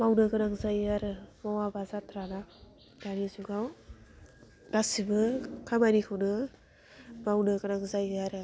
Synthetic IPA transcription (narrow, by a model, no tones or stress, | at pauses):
mawnɯɡɯnaŋzajaɾɯmɔwabazatʰɾana | danizuɡaw | dasibɯkʰamanikʰɯwnɯ | mawnɯɡanaŋzajaɾɯ